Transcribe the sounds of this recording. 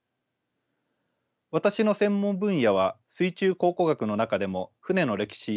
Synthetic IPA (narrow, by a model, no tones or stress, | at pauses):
βat̪aɕino̞sẽ̞mːõ̞mbɯ̟̃ɰ̃jaβ̞asɨit͡ɕɨːko̞ːko̞ɡakɯ̟no̞nakad̪e̞mo̞ɸɯ̟ne̞no̞ɾe̞kʲi̥ɕi